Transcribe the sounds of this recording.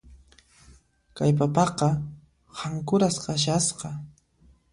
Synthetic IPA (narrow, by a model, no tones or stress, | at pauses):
kajp̬apɑqɑ | haŋkʊɾasqaʃ̬asqɑ